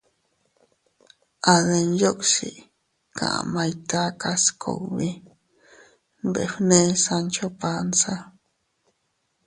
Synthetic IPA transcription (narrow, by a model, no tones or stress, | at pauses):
aðenjokʼsḭʔ | kʰã̰ʔa̰majt̪akaskʰo̰wbi | bḛɸnesant͡ʃopansa